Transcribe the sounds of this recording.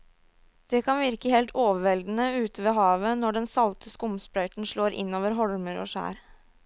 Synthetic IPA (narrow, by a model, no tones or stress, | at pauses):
d̪̥ɛkʰɑnʋɪɾkəhɛːlt̪ʰoːʋəʋɛld̪n̩əʉːt̪əʋeːɦɑːʋənɔɖɛnsɑlt̪ʰəskʊmspɾœʏt̪n̩ʂɭoːɾʔɪ̰nːoːʋəɾɦɔɽməɾo̰ːʂæ̰ːɾ